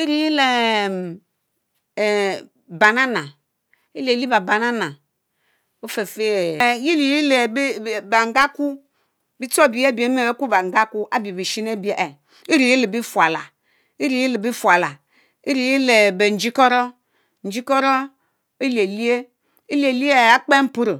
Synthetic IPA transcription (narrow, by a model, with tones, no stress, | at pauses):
i˦ɾi˨ji˦le˨ | ba˨na˦na˨ | i˦le˨li˦ba˨ba˨na˦na˨ | o˦fe˨fe˦˨ji˦ɾi˨ji˦le˨˦˨ba˨ŋ˨ɡa˦ku˦ | bi˦to˦˨bi˨˦e˦˨bi˨e˦me˦˨e˦ku˦ba˨ŋ˨ɡa˦ku˦ʔa˦bi˨e˨bi˨ʃi˦ne˦˨bi˨˦e˨ʔe˨ | i˦ɾi˨ji˦le˨bi˦fu˨a˨la˨ | i˦ɾi˨ji˦le˨bi˦fu˨a˨la˨ | i˦ɾi˨ji˦le˨be˨n̩˨˦d͡ʒi˦kɔ˦ɾɔ˦ | n̩˨d͡ʒi˦kɔ˦ɾɔ˦ | e˦le˨li˦e˦ | i˦li˦e˨li˦e˦˨a˦k͡pe˦m̩˦pu˦ɾo˨